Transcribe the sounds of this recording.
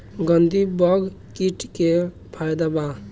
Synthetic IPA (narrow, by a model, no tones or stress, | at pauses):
ɡənd̪ibɔɡ | kiʈke | pʰajd̪aba